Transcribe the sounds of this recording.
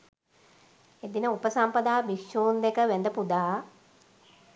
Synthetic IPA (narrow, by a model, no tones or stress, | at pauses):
ed̪inəupəsampəd̪aːbikʃuːnd̪ekəʋænd̪əpud̪aː